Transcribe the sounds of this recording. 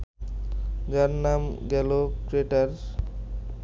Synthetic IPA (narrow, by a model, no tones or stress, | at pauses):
d͡ʑaɾnamɡɛlokɾeʈaɾ